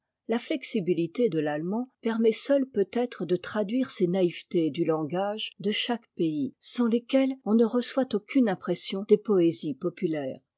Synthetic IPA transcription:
laflɛksibilit̪ed̪əlalmɑ̃pɛʁmɛsœlpøt̪ɛt̪χəd̪ət̪χad̪ɥiʁsenaivt̪ed̪ylɑ̃ɡaʒd̪əʃakpeisɑ̃lekʲɛlɔ̃nəʁəswat̪okʲʰynɛ̃pχɛsjɔ̃d̪̥epɔezipɔpylɛːʁ

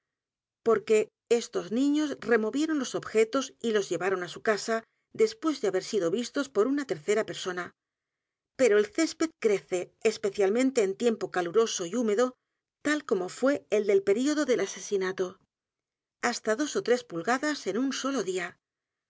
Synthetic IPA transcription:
po̞ɾke̞ | est̪o̞znĩɲo̞sre̞mo̞βje̞ɾo̞nlo̞so̞bxe̞t̪o̞silo̞zʝe̞βaɾo̞nasukasa | d̪e̞spwe̞zðeaβe̞ɾsiðoβist̪o̞spo̞ɾunat̪e̞ɾθe̞ɾape̞ɾso̞na | pe̞ɾo̞elθe̞spe̞t̪̚kɾe̞θe̞ːspe̞θjalmẽ̞nt̪e̞ːnt̪je̞mpo̞kaluɾo̞so̞iume̞ðo | t̪alko̞mo̞fwe̞ːld̪e̞lpe̞ɾio̞ðo̞ðe̞lase̞sinat̪o̞ | ast̪aðo̞so̞t̪ɾe̞spulɣaðase̞nunso̞lo̞ðia

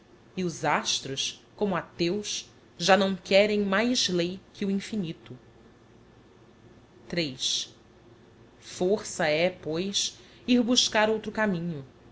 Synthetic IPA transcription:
iʊzaʃt̪ɾʊskõmʊat̪ewʃ | ʒanɐ̃w̃kɛɾẽj̃majzlejkʰɪuĩfinit̪ʊ | t̪ɾejʃ | foɾsɐɛpojs | iɾbuʃkaɾowt̪ɾʊkamĩɲʊ

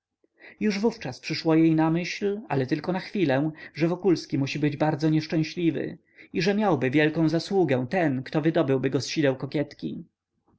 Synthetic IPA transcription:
juʐvuft͡ʂaspʂɘʂwɔjejnamɘɕla̰lɛt̪ɘlkɔnaxfʲilɛ̃ʐɛvɔkulskʲimuɕibɘd͡ʑbaɾd̪zɔɲɛʂt͡ʂɛ̃w̃ɕlʲivɘ̰ | iʐɛmʲjawbɘvʲjɛlkɔ̃w̃zaswuɡɛ̃t̪ɛnkt̪ɔvɘd̪ɔbɘwbɘɡɔsɕid̪ɛwkɔkʲjɛt̪kʲḭ

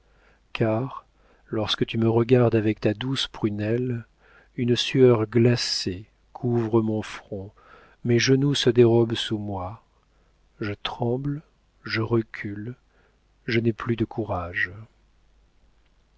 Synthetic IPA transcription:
kʰaʁ | lɔʁskət̪yməʁəɡaʁd̪avɛkt̪ad̪uspχynɛl | ynəsyœʁɡlase | kʰuvʁəmɔ̃fχɔ̃ | mɛʒənusəd̪eʁɔbsumwa | ʒət̪χɑ̃bl | ʒəʁəkʲʰyl | ʒənɛplyd̪əkʰuʁaʒ

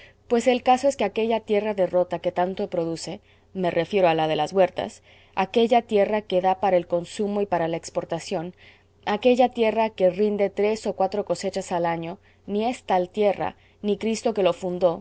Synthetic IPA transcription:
pwe̞se̞lkaso̞e̞ske̞ake̞ʝat̪je̞raðe̞ro̞t̪ake̞t̪ant̪o̞pɾo̞ðuse̞ | me̞rʔe̞fje̞ɾoalaðe̞lazβwe̞ɾt̪a̰s | ake̞ʝat̪je̞rake̞ðapaɾaelko̞nsumo̞ipaɾalaekspo̞ɾt̪asjo̞n | ake̞ʝat̪je̞rake̞rind̪e̞t̪ɾe̞so̞kwat̪ɾoko̞se̞t͡ʃasalaɲo̞ | nie̞st̪alt̪je̞ra̰ | nikɾist̪o̞ke̞lo̞fund̪o̞

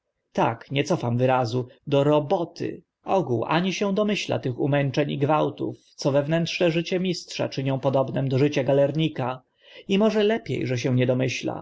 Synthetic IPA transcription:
t̪akɲɛt̪sɔfamvɘɾazud̪ɔɾɔbɔt̪ɪ̰ | ɔɡuwʔa̰ɲiɕɛw̃d̪ɔmɘɕla̰t̪ɘxumɛnt͡ʂɛɲiɡvawt̪ṵft̪sɔvɛvnɛntʂnɛʐɘt͡ɕɛmʲistʂa̰t͡ʂɘɲɔ̃w̃pɔd̪ɔbnɛmd̪ɔʐɘt͡ɕaɡalɛɾɲika | imɔʐɛlɛpʲjḛjʐɛɕɛ̃w̃ɲɛd̪ɔmɘɕla̰

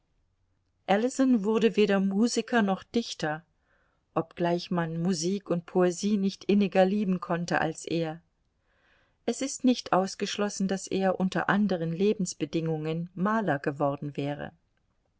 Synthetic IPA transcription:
ʔɛlɪsɔnvʊɐdəveːɾɐmuːzɪkʰɐnɔχd̥ɪçtɐ | ʔɔp̚ɡ̥laɪçmanmuziːkʊnt̚pʰoeziːnɪçtʔɪnɪɡɐliːbm̩kʰɔntə̰ʔa̰lsʔeːɐ | ʔɛsɪstnɪçtʔaʊsɡ̥əʃlɔsn̩d̥asʔḛːɐʔʊntɐ̰ʔandəʁ̞ənleːbm̩sb̥ədɪŋʊŋənmaːlɐɡəvɔɐdn̩vɛːʁ̞ə̰

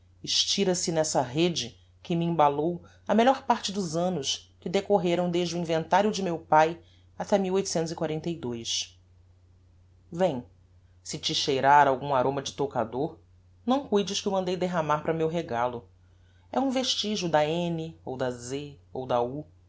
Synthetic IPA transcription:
ɪʃt͡ʃiɾɐsɪnɛsɐɦed͡ʒɪ | kɪmiĩbalow | ɐmeʎɔɾpaɾt͡ʃɪd̪ʊzɐ̃nʊskɪd̪ekoɦeɾɐ̃w̃d̪eʒd͡ʒɪuĩvẽnt̪aɾjʊd͡ʒɪmewpaj | at̪ɛmiwojt̪ʊ̥sẽnt̪ʊzikwaɾẽnt̪ejd̪ojs | vẽj̃ | sɪt͡ʃɪʃejɾaɾawɡũaɾõmɐd͡ʒɪt̪oka̰d̪oɾ | nɐ̃w̃kujd͡ʒɪʃkɪewmɐ̃nd̪ejd̪eɦamaɾpɾɐmewɦeɡalʊ | ɛũveʃt͡ʃiʒʊd̪ɐẽnɪowd̪ɐzeowd̪ɐu

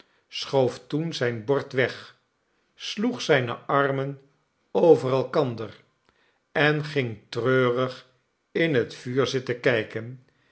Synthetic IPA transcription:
sχowftunzɛjnbɔɹtʋɛχ | sluχsɛjnəʔɑrmən | owvərɛlˠkɑndər | ɛnχɪŋtrøːrəχ | ɪnɦətfyːɹzɪtəkɛjkən

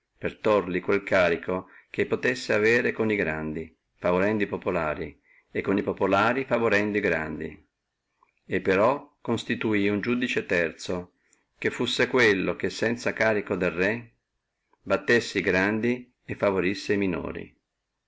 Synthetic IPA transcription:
pert̪orlikwelkaːɾikʰok̟epːot̪esːeaveːɾekoniɡɾand̪i | favoɾɛnd̪oipopolaːɾi | ekːonipopolaːɾifavoɾɛnd̪oiɡɾa̰nd̪ḭ | epːeɾɔkːonst̪it̪uiund͡ʒud̪it͡ʃet̪ɛrt̪so | kefːusːekwelːok̟esːɛnt̪sakaːɾikod̪elrɛ | bat̪ːesːeiɡɾand̪i | efːavoɾisːeimino̰ːɾḭ

